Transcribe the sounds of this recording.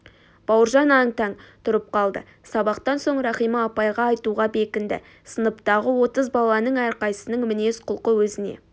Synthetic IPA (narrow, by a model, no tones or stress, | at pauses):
b̥ɑwəɾʒɑnɑŋt̪ɑŋt̪ʰʊɾəp̚qɑlˠd̪ə̰ | sɑbɑqt̪ɑnsoɴɾɑχijməːpɑjʁɑːjt̪uʁɑbe̞kʲɪnd̪ɪ̰ | sənəpt̪ɑʁəwo̞t̪əzbɑlˠɑnəɴæɾqɑjsənəɴŋmɪne̞sqʰʊlˠqəwɵzɪnḛ